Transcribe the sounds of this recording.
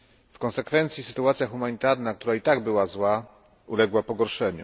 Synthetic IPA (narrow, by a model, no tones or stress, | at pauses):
fkɔ̃nsɛkfɛnt̪sʲisɘ̥t̪uat̪sʲjaxumaɲit̪aɾnakt̪uɾait̪aɡbɘwazwa | ulɛɡwapɔɡɔɾʂɛɲṵ